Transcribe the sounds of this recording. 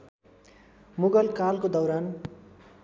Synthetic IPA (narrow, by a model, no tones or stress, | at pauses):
muɡʌlkalkod̪ʌwɾan